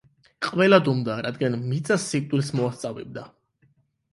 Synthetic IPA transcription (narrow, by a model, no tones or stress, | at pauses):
qʼvɛlad̪umd̪aɾad̪ɡanmit̪sʼasːik̚t̪ʼwilsmɔast̪sʼavɛ̰b̚d̪a